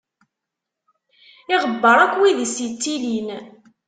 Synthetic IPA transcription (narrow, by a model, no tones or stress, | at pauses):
ɪʁəbːəɾˤækʷːwiðisit͡sːilin